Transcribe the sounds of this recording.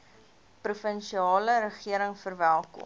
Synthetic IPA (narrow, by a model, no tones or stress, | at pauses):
prufənʃiɑːləɾəχiəɾəŋfərvælˠkɔ̰m